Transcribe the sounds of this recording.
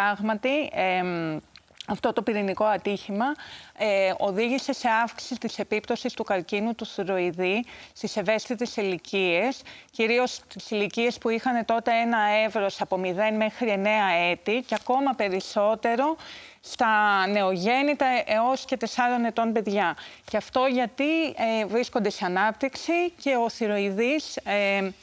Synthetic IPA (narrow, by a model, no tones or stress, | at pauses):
ɐɣmɐt̪ie | ɐft̪o̞t̪o̞piɾiniko̞ɐt̪içimɐ | o̞ðiʝise̞se̞ɐfksi̥sist̪ise̞pipt̪o̞sist̪ukɐɾcinut̪uθuɾo̞iðist̪ise̞ve̞st̪it̪e̞silicie̞sciɾio̞st̪isilicie̞spuixɐne̞t̪o̞t̪e̞e̞nɐe̞vɾo̞sɐpo̞miðe̞nme̞xɾie̞ne̞ɐe̞t̪iceɐko̞mɐpe̞ɾiso̞t̪e̞ɾo̞ | st̪ɐne̞o̞ʝe̞nit̪ɐʔeo̞sce̞t̪e̞sɐɾo̞ne̞t̪o̞nbe̞ðʝɐ | ceɐft̪o̞ʝɐt̪ievɾisko̞nd̪e̞seɐnɐp̚t̪iksice̞o̞θiɾo̞iðise